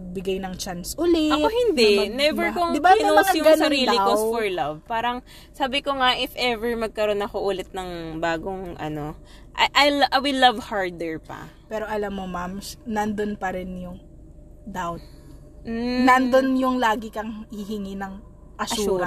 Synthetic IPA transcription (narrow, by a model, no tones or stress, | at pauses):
ɐɡ̚bɪɡajnɐŋt͡ʃansʔʊlɛɐohɪnd̪ɛnɛvɛɹkoŋd̪ɪbaɐɐɡɐnɐɾiliowsfɔɹlɐvpaːɾɐŋ | saːbɪkoŋaʔɪfʔɛvɛɹmɐɡ̚kɐɾo̞nɐkoʔulɪt̪̚nɐŋbaːɡoŋʔɐ̰no̞ | ʔɐ̰jʔɐjlʔɐwɪlɐvhaɹd̪ɛɹpɐ̰pɛːɾo̞ʔɐlamːomamnɐnd̪onpɐɾɪnjʊŋ | d̪awt̪̚ | m̩nɐnd̪onjʊŋlaːɡɪkɐŋhɪɦɪŋinɐŋ | ʔɐʃɐːuɾɐ